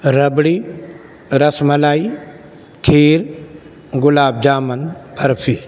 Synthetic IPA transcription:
ɾəbɽiː | ɾəsməlaːiː | kʰeːɾ | ɡʊlaːb̚d͡ʒaːmənpʰəɾpʰiː

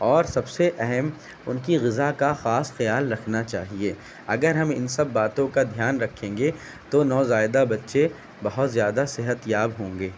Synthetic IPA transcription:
ɔːɾsɐbseʔɛɦɛm | ʊnkiɣɪzakaxaːsxɐjaːlɾɐkʰnat͡ʃa̰ːɦieː | ɐɡəɾɦɐmɪ̰nsɐbːaːt̪õkad̪ʱjaːnɾɐkʰːẽːŋɡe | t̪onɔːzaːɪd̪abɐtːʃe | bɐɦʊt̪zjaːd̪asɪɦət̪jaːbɦõːŋɡeː

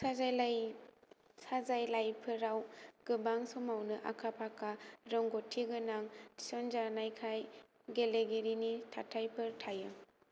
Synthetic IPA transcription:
sazajlaj | sazajlajpʰɯɾawɡ̥ɯbaŋsɔmawnɯʔakʰapʰakʰaɾɔŋɡɔtʰiɡɯnaŋisɔnd͡ʒanajkʰaj | ɡeleɡeɾinitʰatʰajpʰɯɾtʰajɯ

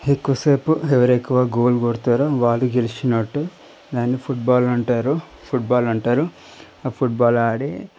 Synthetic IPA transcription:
ekːuɐseːpueʋɐɾekːuʋaːɡoːlɡoɾt̪aːɾaʋaːlːuɡelit͡ʃinɐʈːu | d̪aːnːipʰuʈ̚baːlɐɳʈaːɾu | pʰuʈ̚baːlɐɳʈaːɾu | pʰuʈ̚baːlaːɽi

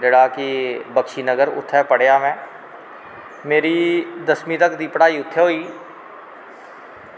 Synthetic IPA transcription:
dɪɽaːkibəkʃiːnəɡəɾʊ̰t̪ʰːɛːpəɽ̤ejaːmɛ̃ː | meːɾiːd̪əsmĩt̪əkd̪iːpɽaːiːʊt̪ʰːeɦoːiː

